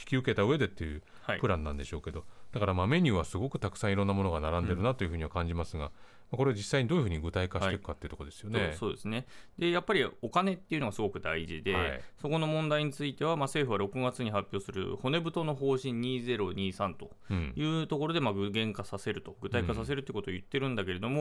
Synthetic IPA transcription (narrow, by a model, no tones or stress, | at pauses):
çi̥kʲiɯ̟ke̞t̪aɯ̟e̞d̪e̞t̪ːejɯ̟ | haipɯ̟ɾãnːã̰nd̪e̞ɕo̞ːke̞d̪o̞d̪̥akaɾamame̞ɲ̟ʲɨːβasɨɡo̞kɯ̟̥t̪akɯ̟̥sãɰ̃iɾõ̞nːamo̞noɡanaɾãnd̪e̞ɾɯ̟nat̪o̞jiɯ̟ɸɯ̟ːɲ̟iβakãɲd͡ʑimasɨɡa̰ | mako̞ɾe̞ad͡ʑisaiɲ̟id̪oːjɯ̟ɯ̟ːɲiɡɯ̟t̪aikaɕi̥t̪ekɯ̟kːat̪ːei̟t̪okod̪e̞sɨ̥jo̞neso̞ːd̪e̞sɨne̞d̪e̞japːaɾʲio̞kane̞t̪ːeiɯ̟no̞ɡasɨɡo̞kɯ̟d̪aiʑḭd̪e̞̰so̞ko̞no̞mõ̞nd̪aiɲ̟it͡sɨit̪e̞β̞amase̞ːɸɯ̟βaɾo̞kɯ̟ɡat͡sɨɲ̟iɦapʲːo̞ːsɨɾɯ̟̰ho̞ne̞bɯ̟t̪o̞no̞ɦo̞ːɕĩɲ̟ːiːze̞ɾo̞ɲ̟iːsãnt̪o̞ | jɯ̟ːt̪o̞ko̞ɾo̞d̪e̞maɡɯ̟ɡẽ̞ŋkasase̞ɾɯ̟t̪o̞ɡɯ̟t̪aikasase̞ɾɯt̪eiɯ̟ko̞t̪oːjɯ̟t̪ːe̞ɾɯ̟̃nd̪ake̞ɾe̞d̪o̞mo̞